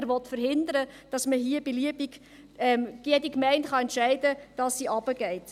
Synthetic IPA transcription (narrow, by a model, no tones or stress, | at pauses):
ɾʋɔtfəɾɦɪndəɾəd̥ɑsməɦiəb̥iliəbiɡ | ɛmjɛdikmɛɪntχɑɛntʃɛɪdəd̥ɑsːiʔɑb̥əɡ̥ɛɪt